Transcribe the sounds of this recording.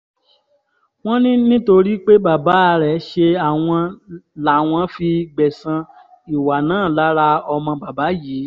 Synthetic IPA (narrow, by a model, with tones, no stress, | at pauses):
w̃ɔ̃˦nĩ˦nĩ˦to˧ɾi˦k͡pe˦ba˨ba˨˦a˧ɾɛ˨ʃe˧a˨w̃ɔ̃˧la˨w̃ɔ̃˧fi˧ɡ͡bɛ˨sã˧ | i˨wa˨nãː˦˨la˨˦ɾa˧ɔ˧mɔ̃˧ba˨ba˨˦jiː˨˦